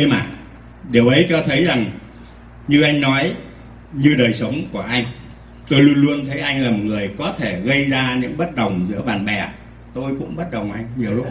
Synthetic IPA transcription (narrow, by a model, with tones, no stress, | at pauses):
ə˧jmaː˨˩ | ɗe˨˩əwʔə˨˦jt͡ɕɔ˨˦t̪ʰə˨˦jza˨˩ŋ | ɲɨ˧ʔa˧jŋ̟nɔ˨˦j | ɲɨ˧ɗəː˨˩jsə˨˦wŋ͡mku˧˩əʔa˧jŋ̟ | t̪o˧jlu˧ənlu˧ənt̪ʰə˨˦jʔa˧jŋlaː˨˩mo˨˩ŋɨ˨˩əjkɔ˨˦t̪ʰe˧˩ɣə˧jzaː˧ɲɨ̰˧˥ŋɓə˦˥t̚ɗə˨˩wŋ͡mzɨ̰˧˥əɓaː˨˩nɓɛ˨˩ | t̪o˧jkʊ̰˧˥ŋ͡mɓə˦˥t̚ɗə˨˩wŋ͡mʔa˧jŋ̟ɲi˨˩əwlʊ˦˥k͡p̚